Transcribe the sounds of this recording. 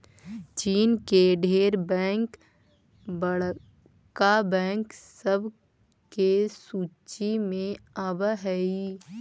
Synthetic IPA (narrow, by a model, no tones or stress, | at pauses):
t͡ʃiːnkeɖʱeːɾbɛ̃ːŋk | bəɽ | kabɛ̃ːŋksəb | kesuːt͡ʃimẽəbɦɛi